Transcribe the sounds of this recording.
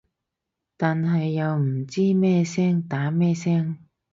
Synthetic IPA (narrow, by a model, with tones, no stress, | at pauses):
t̪aː˨nɦɐ˨jːɐ˨˧wm̩˨˩t͡siː˥mɛː˥sɛː˥ŋt̪aː˨˥mɛː˥˧sɛː˥ŋ